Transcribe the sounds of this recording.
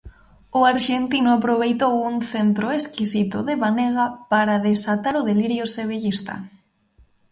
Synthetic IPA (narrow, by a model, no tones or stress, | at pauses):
ʊaɾʃent̪inʊapɾoβ̞ejt̪owuŋθent̪ɾʊeskisit̪ʊðeβaneɣapaɾaðesat̪aɾʊðeliɾjʊseβ̞eʎist̪a̰